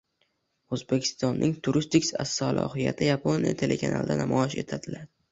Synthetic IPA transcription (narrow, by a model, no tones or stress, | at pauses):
ozbekʲʰɪ̥st̪ɒnːʔɪŋt̪ʰʊɾɪst̪ɪkʲsa̰sːɒlˠʔɒ̰hɪja̰t̪ʰɪjapʰonijat̪ʰe̞lʔe̞kʰanʔa̰lˠd̪anamɒɪʃe̞t̪ʰad̪ɪlad̪ɪ